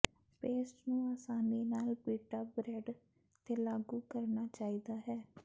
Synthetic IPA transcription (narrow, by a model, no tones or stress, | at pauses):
peːsʈnũːaːsaːniːnaːlbiːʈaːbɾeːɖ | t̪eːlaːɡuːkəɾnaːt͡ʃaːiːd̪aːɦɛː